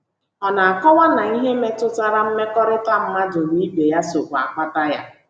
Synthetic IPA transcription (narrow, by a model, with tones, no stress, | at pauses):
ɔ˨na˨a˨kɔ˦wa˦na˨i˦ɦe˦me˦tʊ˦ta˦ɾa˦m̩˦me˦kɔ˦ɾʊ˦ka˦m̩˦ma˦dʊ˨ni˦be˨ja˦so˨kʷa̰˨ka˦ta˦ja˦